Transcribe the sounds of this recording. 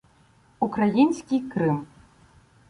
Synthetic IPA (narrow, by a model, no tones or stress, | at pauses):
ukɾajinsʲkʲikɾɨm